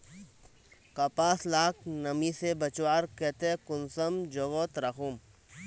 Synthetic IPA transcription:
kɐpaːslaːknɐmisebɐt͡ʃwaːɾket̪ekʊnsɐmd͡ʒoʋot̪ɾɐxum

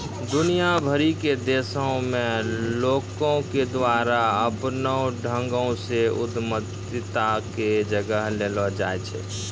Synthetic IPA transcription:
d̪ʊnijabʱəɾiked̪eːsəõmẽloːkõked̪waɾaəpnəɖʱə̃ŋɡõseʊd̪mət̪ | ɪt̪aked͡ʒəɡəɦlelɔd͡ʒaɛt͡ʃʰɛ̰

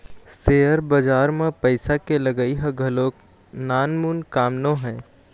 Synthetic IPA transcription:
seːəɾbɐd͡ʒaːɾmẽpəɪsakelɐɡaiɦɐɡʱɐloːk | naːnmuːnkaːmnõɦɛ̃ː

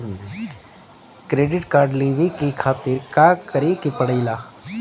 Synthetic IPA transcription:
kɾeːɖɪʈkaːɾɖliʋikikʰaːt̪ɪɾkaːkɐɾekipəɽəɪlaː

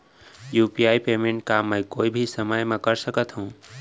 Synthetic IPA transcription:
juːpijaːipeːmẽɳʈ̚kamə̃jkoːibʱisəməjmẽkəɾsəkət̪ɦũː

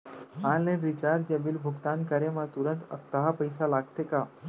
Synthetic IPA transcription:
anlẽɾit͡ɕaɾ̚d͡ʑəbiːlbʱuɡt̪ankəɾemat̪uɾənt̪əkt̪aɦapəjsalaɡt̪eka

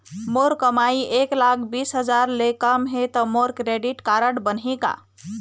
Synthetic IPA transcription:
moɾkəmaieklakʰbisɦəd͡ʒaɾlekəmɦet̪ɔmoɾkɾeɖiʈkaɾəɽbənɦeka̰

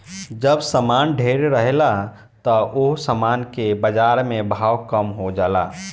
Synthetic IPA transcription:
d͡ʒəbsəmanɖʱeɾɾəɦela | t̪ɔʔoɦsəmankebəd͡ʒaɾmẽbʱawkəmɦod͡ʒaːla̰

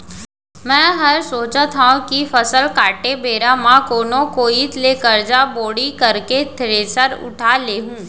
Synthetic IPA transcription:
mɛ̃ːɦɐɾsoːt͡ʃət̪ʰaːõkifɐsəlkaːʈebeːɾamãkoːnõkoːit̪leːkəɾd͡ʒaboːɽikɐɾket̪ʰɾeːsəɾʊ̰ʈʰaleːɦũː

